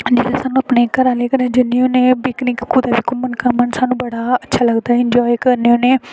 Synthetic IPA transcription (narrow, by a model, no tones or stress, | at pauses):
d͡ʒeːɾasaːnũːəpneːkəɾãːleːkəɾẽːd͡ʒɪnːĩːõneːbɪknɪkkuːd̪aːʋiːkʊmənkəmənsaːnũːbəɽaːətːʃʰaːləɡd̪aːɛɪɲd͡ʒɔːikəɾneõːneː